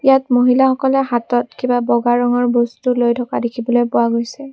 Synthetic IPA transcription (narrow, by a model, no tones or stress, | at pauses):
jatmoɦilaxɔkɔlɛɦatɔtkibabɔɡaɹɔŋɔɹbɔstulojtʰɔkadekʰibɔlojpʊwaɡojsɛ